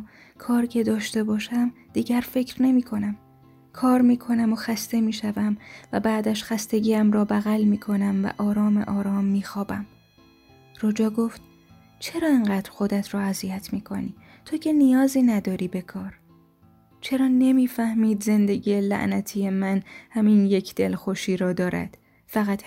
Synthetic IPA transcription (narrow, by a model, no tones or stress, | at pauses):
kʰɒːɾcʰe̞d̪ɒːʃt̪e̞bɒːʃæm | d̪̥iːɟæɾfe̞cʰɾne̞miːkʰo̞næm | kʰɒːɾmiːkʰo̞næmoxæst̪e̞miːʃævæmvæbæːd̪æʃxæst̪e̞ɟiːæmɾɒːbæɣælmiːkʰo̞næmvæ̰ʔɒːɾɒːmḛʔɒːɾɒːmːiːxɒːbæm | rod͡ʒɒːɡoft̪̚ | t͡ʃʰe̞ɾɒːeŋɢæːd̪̥ɾxo̞d̪æt̪ʰɾɒːæzijæt̪ʰmiːkʰoniː | t̪ʰocʰe̞nijɒːziːnæd̪ɒːɾiːbe̞kʰɒːɾ | t͡ʃʰe̞ɾɒːne̞miːfæhmiːd̪ze̞nd̪e̞ɟiːjelæ̰ʔnæt̪ʰiːjemænhæminje̞cʰd̪̥e̞lxo̞ʃiːɾɒːd̪ɒːɾæ̰d̪̥ | fæɣæt̪